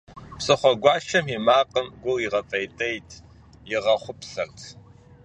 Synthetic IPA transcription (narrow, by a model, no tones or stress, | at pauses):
psʼɨχʷɔɡʷɑːʃɐmimaːqʼəmɡʷʊliʁɐfʼɐjtʼɐjtʰ | jɪʁɐχʷʊpɬɐrtʰ